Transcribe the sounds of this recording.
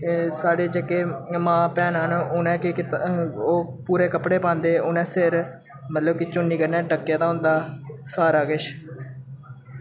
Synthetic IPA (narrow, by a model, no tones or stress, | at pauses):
saːɽeːd͡ʒekːeːmãːpɛːnənʊnɛ̃ːkɪkɪoːpuːɾeːkəpɽeːpãːnd̪eːʊnɛ̃ːsɪɾ | mət̪ləbkɪt͡ʃʊnːiːkəɾnɛ̃ːɖəkːjãːt̪aːɦʊ̃nd̪aːsaːɾaːkɪʃ